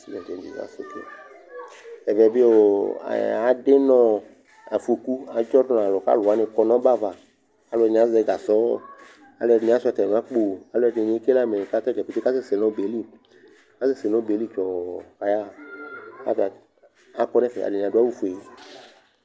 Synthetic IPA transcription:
i˦ɛ˨d͡ʒe˨d͡ʒḭ˨a̰˨sḛ˨kḛ˦ | ɛ˨vɛ˨be˦o̰˨ | a˨ɖe˦nɔ̃˦ | a˨fu˨˦e˨ku˦a˨d͡ʒɔ˦dɔ̃˨a˨lɔ˨ka̰˦la˨˦nẽ˧kɔ˧nɔ̃˦ba˦va˨ | a˨lo˦ɛ˧nẽ˨a˨˦zɛ˧ɡa˨sɔ˦ | a̰˨lɛ˧nẽ˨a˦sa˧˨t̪ɛ˨nũ˨a˦k͡po˨a˨lo˦ɛ˧ne˨ɲẽ˨˦ke˦la˦me˨ka˦t̪ɛ˦ɡɛ˨pe˨t͡ʃe˦ka˦se˦se˨nɔ̃˨˦be˨˦li˦ | ka˦se˦˨se˨nɔ̃˦be˨˦li˦t͡ʃɔ˨ka˨ja˦ | a̰˦a˨ | a˨˦kɔ˦nɛ̃˦fɛ̰˨a̰˨e˨n˨a˨du˦a˦wu˦fu˨e˨

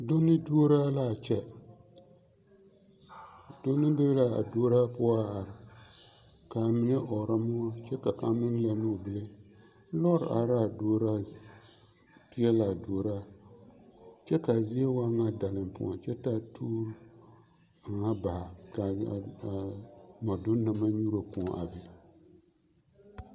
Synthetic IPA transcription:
do˦nːɨ˦du˦o˦ɾaː˦la˦˨t͡ʃɛ˦ | do˦nɨ˦bɨ˦bla˨a̰˨do˦ɾa˦pʊ˦a˦˨a˨ɾɪ˨ | ka˨mi˨ne˦ʔɔ˨ɾa˦mʊ˦a˦t͡ʃɛ˦ka˨ka˨mɨ˦n˦lɛ˨nɨ˦˨bɨ˨le˦ | lɔ˦˨ɾa̰˨ɾa˦˨do˦ɾa˦ | ti˦ɛ˦la˨doː˨ɾa˦ | t͡ʃɛ˦ka˨zi˦e˦wa˦ŋa˦da˨lɨ˨mpʊ̰˦ɔ̰̃˨t͡ʃɛ˦ta˦tʰuː˦ɾ | ŋa˦ba˨ha˨ka˨ | ma˨dʊ˦na˨ma˦ɲu˦ɾo˨pʊ˨ɔ˨ʔa̰˨bi˨

